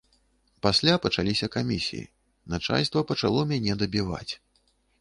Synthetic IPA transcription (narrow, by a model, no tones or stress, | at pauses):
pasʲlʲapɐt͡ʂalʲisʲɐkamʲisʲḭjḭ | nat͡ʂa̰lʲst̪vɐpɐt͡ʂalˠɔmʲanʲɛd̪ɐbʲiva̰t͡sʲ